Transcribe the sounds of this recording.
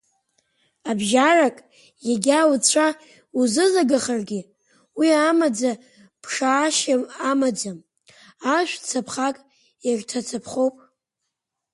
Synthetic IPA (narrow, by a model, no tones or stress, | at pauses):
abʒarakʼ | jaɡʲawt͡ɕʷʰa | uzɨzaɡaχarɡʲiɪ | wiamad͡za | pʰʂaːʃaamad͡zam | aʃᶣʷt͡sʰapʰχakʼ | artʰat͡sʰapʰχo̞wpʼ